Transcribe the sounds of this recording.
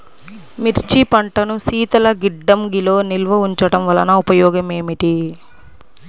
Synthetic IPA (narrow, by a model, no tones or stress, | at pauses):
miɾt͡ʃipɐɳʈɐnusiːt̪ɐlɐɡiɖːɐmɡilo̞ːnilʋɐuɲt͡ʃɐɽɐmʋɐlɐ̰nɐupɐjɔːɡɐme̞ːmiʈi